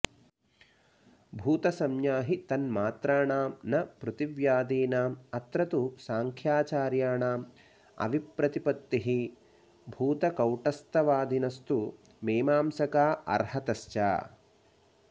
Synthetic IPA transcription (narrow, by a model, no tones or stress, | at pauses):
bʱuːt̪ɐsɐmjaːɦit̪ɐnmaːt̪ɾaːɳaːmnɐpɾut̪iʋjaːd̪iːnaːmɐt̪ɾɐt̪usaːŋkʰjaːt͡ʃaːɾjaːɳaːm | ɐ̰ʋipɾɐt̪ipɐt̪ːiɦi | bʱuːt̪ɐkɐwʈɐst̪ʰɐʋaːd̪inɐst̪u | meːmaːmsɐkaːɐ̰ɾhɐt̪ɐst͡ʃa̰ː